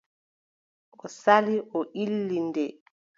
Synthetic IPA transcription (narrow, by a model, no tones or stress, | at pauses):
ʔɔsaliʔɔʔilːindɛ